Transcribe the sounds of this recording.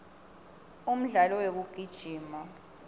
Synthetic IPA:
um̩ɮalɔwek̬uɡ̥ʱid̥ʒ̥ʱiːma

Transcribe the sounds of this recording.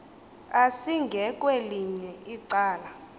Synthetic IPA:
asiŋɡʱɛkʼweliɲɛiǀaːla

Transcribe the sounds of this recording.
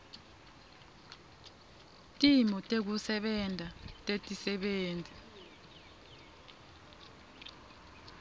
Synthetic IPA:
tʼimɔtʼek̬usɛɓɛndʱatʼetʼisɛɓeːnd͡zʱi

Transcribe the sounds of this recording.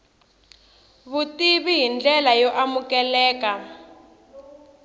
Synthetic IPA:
βutiβiɦind͡ɮɛlajɔʔamukɛlɛːka

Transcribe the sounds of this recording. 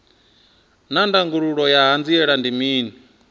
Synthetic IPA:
nandaŋɡuɺuɺɔjaɦand͡ziɛɺandimiːnii

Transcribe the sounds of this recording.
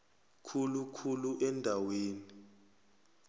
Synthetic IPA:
kʰulukʰuluʔɛndʱaweːni

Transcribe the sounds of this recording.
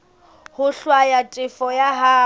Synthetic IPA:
hʊɬwajatʼɪfɔjaɦa

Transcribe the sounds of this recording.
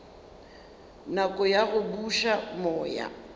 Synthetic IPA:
nakʼɔjaɣʊbuʃamɔːja̰

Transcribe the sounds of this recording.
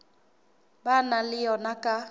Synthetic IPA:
banalɪjɔnakʼa

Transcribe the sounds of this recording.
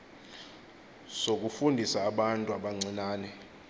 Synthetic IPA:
sok̬ʼufundʱisaːɓantʼuaɓaŋ͡ǀʱinaːnɛ

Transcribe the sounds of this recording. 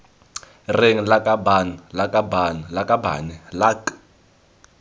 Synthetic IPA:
rɪŋ̩lakʼabanlakʼabanlakʼaba̰nilakʼ

